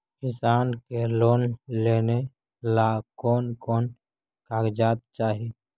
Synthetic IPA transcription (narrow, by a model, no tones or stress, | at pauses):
kɪsaːnkeloːnleːne | laːkɔːnkɔːn | kaːkd͡ʒaːt̪̚t͡ʃaːɦi